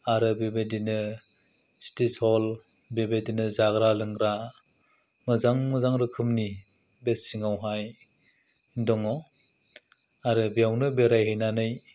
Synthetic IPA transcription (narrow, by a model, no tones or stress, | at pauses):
aɾɯbebedinɯ | stethɔl | bebedinɯzaɡɾalɯŋɾa | mɯzaŋmɯzaŋɾɯkʰɯmni | besiŋawɦaj | dɔŋɔ | aɾɯbijawnɯbeɾajɦejnanɯj